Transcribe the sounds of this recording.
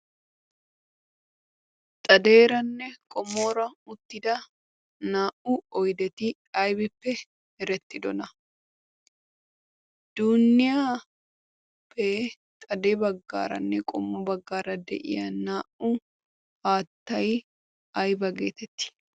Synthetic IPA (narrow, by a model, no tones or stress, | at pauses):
t̪ʼɐd̪e̞ːɾɐnːɛkʼɔmːo̞ːɾɐʊt̪ːɪd̪ɐ | naːʔʊɔjd̪ɛt̪ɪ | ɐjbɪpːɛ | hɛɾɛt̪ːɪd̪ɔnɐ | d̪̥uːnːɪjaː | pʰːe | t̪ʼɐd̪eːbɐɡːa̰ːɾɐ̰nːɛkʼɔmːɔbɐɡːaːɾɐd̪ɛ̰ʔɪ̰jɐnaːʔʊ | haːt̪ːɐj | ɐjbɐɡeːt̪ɛt̪ːɪ̥